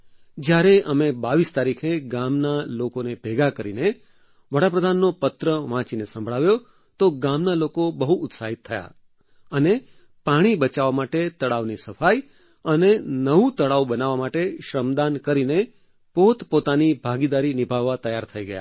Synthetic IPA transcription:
d͡ʒjaɾeʔəmebaʋist̪aɾikʰeɡamnalokonebʱeɡakəɾine | ʋəɽapɾəd̪ʱanːopət̪ɾəʋãt͡ʃinesə̃mbʱɭaʋjo | t̪oɡamnalokobəɦuʊt̪saɦit̪ʰːəja̰ | əne | paɽ̃ibət͡ʃaʋamaʈet̪əɽaʋnisəfaj | ənenəɦũt̪əɽaubənaʋamaʈeʃɾəmd̪ankəɾine | pot̪pot̪anibʱaɡid̪aɾinɪbʱaʋːat̪əjaɾt̪ʰəiɡəja̰

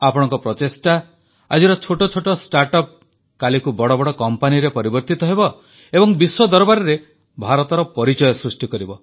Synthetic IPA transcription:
apɔɽ̃ɔŋkɔpɾɔt̪esʈa | a̰d͡ʒiɾɔt͡ʃʰoʈɔt͡ʃʰoʈɔsʈaɾʈɔp̚ | kalikubɔɽɔbɔɽɔkɔmpaniɾepɔɾibɔɾt̪it̪ɔɦebɔ | ebɔŋbiswɔd̪ɔɾɔbaɾɔɾe | bʱaɾɔt̪ɔɾɔpɔɾit͡ʃɔjɔsɾusʈikɔɾibɔ

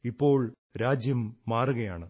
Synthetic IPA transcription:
ipːo̞ːɭ | ɾaːd͡ʑjɐmːaːruɣɐjaːɳɨ

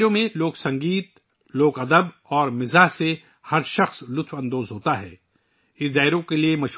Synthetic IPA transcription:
ɾõmẽloːksɐ̃ŋɡiːt̪̚ | loːkɐd̪əb | ɔːɾmɪzaːɦse | hɐɾʃɐxslʊt̪ʰfɐ̃nd̪oːzɦoːt̪aɦɛ̰ː | ɪsd̪aːɪɾõkeliemɐʃ

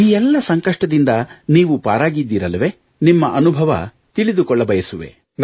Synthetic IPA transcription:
iːɛlːɐsɐŋkɐʂʈɐd̪ind̪ɐniːʋupa̰ːɾaːɡid̪ːiːɾɐlːɐʋe̞ː | nimːɐʔɐnubʱɐʋɐ̰ | t̪iɭid̪ukɔɭːɐbɐjɐsuʋe̞̰ | n

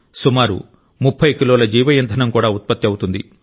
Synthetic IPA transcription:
sumaːɾṵ | mupʰːɐjkiloːlɐd͡ʒiːʋɐjɐnt̪ʰɐnɐmkuːɽaːut̪̚pɐt̪ːjɐwut̪und̪ḭ

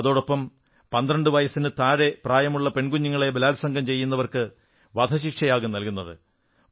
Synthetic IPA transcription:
ɐðo̞ːɽopːɐm | pɐnd̪rɐɳɖɨʋɐjɐsinɨt̪aːɻepraːjɐmuɭːɐpe̞ɳɡuɲːiŋːɐɭe̞belaːlsɐŋɡɐmt͡ɕe̞jːun̪ːɐʋɐrkɨ | ʋɐd̪ʱɐɕikʂɐjaːɣumnɐlkunːɐðɨ̰

